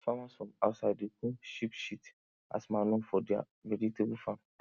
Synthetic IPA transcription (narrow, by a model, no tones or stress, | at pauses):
famãsfɔ̃maʊtsaɪdekʰũʃipʃit | a̰smãnõfɔdia̰ | vɛɾitʰebfãn